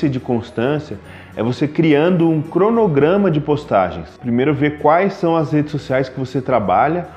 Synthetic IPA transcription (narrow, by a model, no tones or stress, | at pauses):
ɐd͡ʒɪkõst̪ɐ̃siɐ | ɛ̰vosekɾiɐ̃nd̪ʊũkɾonoɡɾɐ̃mɐd͡ʒɪpost̪a̰ʒḛ̃j̃spɾimejɾʊveɾkwajsːɐ̃w̃ɐshed͡ʒɪsosiajskɪvoset̪ɾaba̰ʎɐ